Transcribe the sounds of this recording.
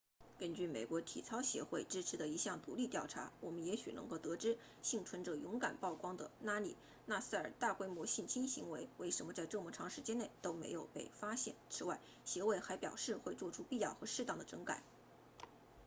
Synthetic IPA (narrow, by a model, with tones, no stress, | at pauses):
kə˥nt͡ɕy˥˩mḛ˨˩ɪkwɔ˧˥t̪ʰḭ˨˩t͡sʰɑ˥ʊɕjɛ̰˧˥xwe˥˩ɪʈ͡ʂɻ̩˥ʈ͡ʂʰɻ̩˧˥d̪ə˧i˧˥ɕjɑ˥˩ŋt̪u˧˥li˥˧t̪jɑ˥˩ʊʈ͡ʂʰa̰˧˥wɔ˨˩mə˦njɛ˧˥ɕy˨˩nʔɤ˧˥ŋko˥˩ʊt̪ɤ˧˥ʈ͡ʂɻ̩˥ | ɕi˥˩ŋʈ͡ʂʰwə˧˥nʈ͡ʂɤ˨˩jʊ˧˥ŋka̰˨˩npɑ˥˩ʊkwɑ˥ŋd̪ə˨na˥li˨˩ | na˥˩s̩˥˩ə˞˨˩t̪a˥˩kwe˥ɪmwɔ˧˥ɕi˥˩nt͡ɕʰi˥nɕḭ˧˥ŋwe˧˥ɪwe˥˩ɪʂə˧˥nmə˧t͡sa˥˧ɪʈ͡ʂɤ˥˧mɔ˥˩ʈ͡ʂʰɑ˧˥ŋʂɻ̩˧˥t͡ɕjɛ˥ne˥˩ɪt̪o˥ʊmḛ˧˥ɪjo˨˩ʊpe˥˩ɪfa˥ɕjɛ̰˥˩nt͡sʰɻ̩˥wa˥˩ɪ | ɕjɛ˧˥we˥˩ɪxa˧˥ɪpjɑ˨˩ʊʂɻ̩˥˧xwe˥˧ɪt͡swɔ˥˩ʈ͡ʂʰu˥pi˥˧jɑ˥˩ʊxɤ˧˥ʂɻ̩˥˧t̪ɑ˥˩ŋd̪ə˩ʈ͡ʂɤ˧˥ŋka̰˨˩˦